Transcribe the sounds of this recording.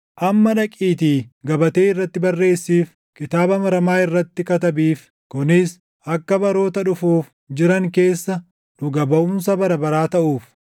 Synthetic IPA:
ʔɐmːɐᶑɐkʼiːt̪iːɡɐbɐt̪e̞ːɪrːɐt̪ːɪbɐrːe̞ːsːiːf | kɪt̪aːbɐmɐɾɐmaːɪrːɐt̪ːɪkɐt̪ɐbiːf | kʊnɪs | ʔɐkːɐbɐɾo̞ːt̪ɐᶑʊfuːf | d͡ʒɪɾɐŋke̞ːsːɐ | nʊɡɐbɐʔunsɐbɐɾɐbɐɾaːt̪ɐʔuːf

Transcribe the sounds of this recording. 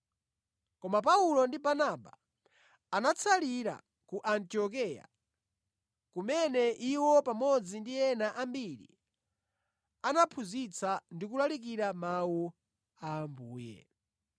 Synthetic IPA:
kɔmap̬aulɔndibanaba | anat͡sʰaliɾa̰ | kuʔantiɔk̬ɛja̰ | kumɛnɛʔiwɔpamɔd͡zindiɛnaʔambiɾḭ | anapʰuzit͡sʰandikulalik̬iɾamawu | ambuːjɛ̰

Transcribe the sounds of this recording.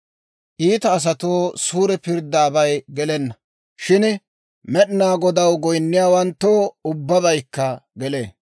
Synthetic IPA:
ʔiːt̪ɐːs̬ɐt̪oːsuːɾɛpɪɾd̪ːaːbɐjɡɛlɛnːɐ | ʃɪn | mɛɗnaːɡɔd̪ɐwɡɔjnːɪjaːwɐnt̪ːoːʊbːɐbɐjkːɐɡɛlḛː

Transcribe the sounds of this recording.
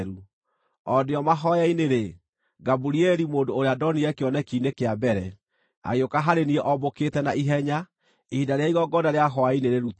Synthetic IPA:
ɾu | ɔdeɔmaɦɔjaineɾe | ɡabuɾiɛɾimoːndoːɾeadɔniɛkeɔnɛkiːnekeabɛɾɛ | a̰ɣeokaɦaɾeniɛʔɔboketɛnaʔiɦɛɲa | iidaɾeaiɣɔɡɔnaɾeaɦɔaineɾeɾut

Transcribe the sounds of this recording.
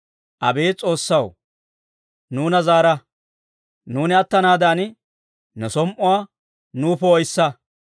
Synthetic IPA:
ʔɐ̰be̞ːt͡sʼo̞ːsːɐw | nuːnɐzaːɾɐ | nuːnɪɐt̪ːɐnaːd̪aːn | nʊsɔmʔʊwaː | nuːpɔɔjsːɐ

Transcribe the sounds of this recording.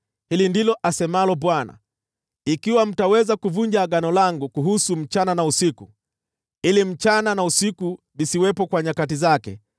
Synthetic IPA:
hilindilɔʔasɛmalɔɓwana̰ | ikiwam̩tawɛzakuvuɲd͡ʒaːɠanɔlaŋɡukuɦusum̩t͡ʃananausiku | ilim̩t͡ʃananausiku | lisiwɛpɔkwaɲakatizakɛ̰

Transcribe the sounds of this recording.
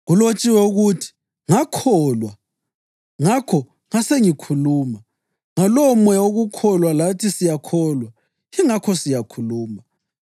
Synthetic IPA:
ɣulot͡ʃʼiwɛuɣutʰi̥ | ŋakʰɔlwa | ŋakʰɔ | ŋaseŋikʰuluːma | ŋalɔmwɛoɣukʰɔlwalatʰisijakʰɔlwa | iŋakʰɔsijakʰuluːma

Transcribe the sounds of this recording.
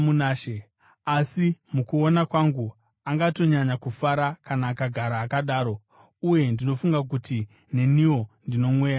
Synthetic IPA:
munaːʃe | asimukuonakwaŋɡu | aŋɡato̞ɲaɲakufaɾakanaːkaɡʱaɾaːkaɗaːɾo̞ | uje̞ndino̞fuŋɡak̬uti | ne̞niwo̞ndino̞mwe̞ːja

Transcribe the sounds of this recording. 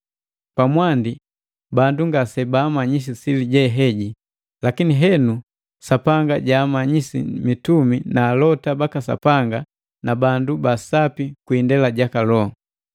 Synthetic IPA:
pamwandi | banduŋɡasɛbaːmaɲis̬isiliɟɛɦɛɟi | lakiniɦɛnu | sapaŋɡaɟaːmaɲisḭmituminaːlɔtabakasa̰paŋɡa | nabandubasapikwindɛlaɟakalɔ

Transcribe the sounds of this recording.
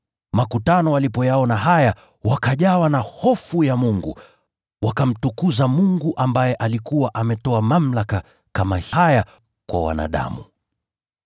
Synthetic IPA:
makutanɔalipɔjaɔnaɦaja | wakaʄawanahɔfujamuŋɡṵ | wakam̩tukuzamuŋɡuʔambajɛʔalikuwaʔamɛtɔamam̩laka | kamaaja | kwa̰wa̰na̰ɗa̰mu

